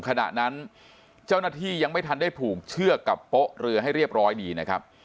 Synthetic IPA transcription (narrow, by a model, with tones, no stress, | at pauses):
kʰa˧na̰˨˩ʔna˦˥n | t͡ɕa˥˩wnaː˥˩t̪ʰiː˥˩ja˧ŋma˥˩jt̪ʰa˧ndaː˥˩jpʰuː˨˩k̚t͡ɕʰɯ˥˩ɐka˨˩pːo˦˥ʔɾɯ˧ɐɦa˥˩jɾi˥˩əp̚ɾɔː˦˥jdiː˧na˦˥kʰa̰˦˥p̚